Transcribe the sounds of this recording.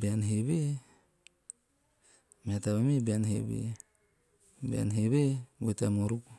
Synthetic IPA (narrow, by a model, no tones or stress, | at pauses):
bianɦeβe | mataβamebianɦḛbḛ | bia̰nɦeβewetamoɾuk